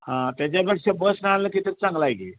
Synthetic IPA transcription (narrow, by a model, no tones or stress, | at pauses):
hãt̪jat͡ɕabəʈʂəbəsnəɭaləkit̪ət͡sãŋɡlajɡi